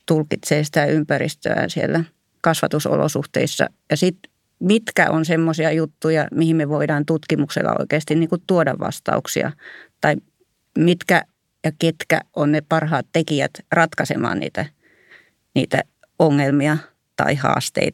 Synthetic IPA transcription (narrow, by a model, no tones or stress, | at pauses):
t̪ulkit̪seːsi̥t̪æympærḭst̪ø̰æ̰nsielːæ | kɑsʋɑt̪uso̰lo̰suht̪ḛisːɑ̰jɑsit̪ | mit̪kæ̰ʔonsemːosiɑjut̪ːujɑmihimmeʋoidɑːnt̪ut̪kimuksḛlːɑ̰o̰ikeːɑst̪inniːŋkut̪t̪uodɑʋʋɑ̰st̪ɑ̰uksḭɑ̰t̪ɑi | mit̪kæ | jɑket̪kæ̰ʔonnepɑrhɑːt̪t̪ekiæ̰t̪rɑt̪kɑsḛmɑ̰ːnnḭːt̪æ | niːt̪æ̰ | oŋːelmiɑ | t̪ɑ̰ihɑ̰ːst̪ḛit̪